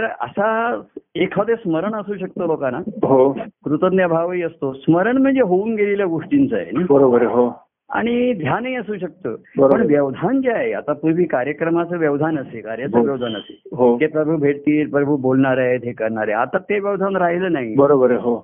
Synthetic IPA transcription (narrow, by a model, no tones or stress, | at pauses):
t̪əɾə̰sa | ekʰad̪esməɾəɳəsuːɕəkt̪olokanaɦokɾut̪ənjabʱaʋiːəst̪osməɾəɳm̤əɳd͡zeɦouːnɡeliljaɡuʂʈint͡səjḛnebəɾobəɾɦo | a̰ɽ̃id̪ʱjanəiəsuːɕək̚t̪ə̰ːbəɾpəɳʋjəʋd̪ʱand͡ʑaea̰t̪apuɾbʱiːkaɾjəkɾəmat͡səːʋjəʋd̪ʱanəsekaɾjat͡səʋjəʋd̪ʱanəsḛɦokepɾəbʱuːbʱeɽt̪iːɾpɾəbʱubolɳaɾaet̪ekəɾɳaɾeat̪at̪eʋjəʋd̪ʱanɾaɦiləːnaɦibəɾobəɾɦo